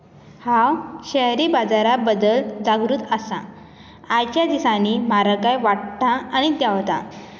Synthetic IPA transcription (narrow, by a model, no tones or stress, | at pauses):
hawɕɛɦɾiːbad͡zaɾabəd̪əld͡zaɡɾut̪əsa̰ː | jt͡ɕjad̪isãnimaɾəkajʋaʈt̪aːɽ̃it̪jaʋt̪a̰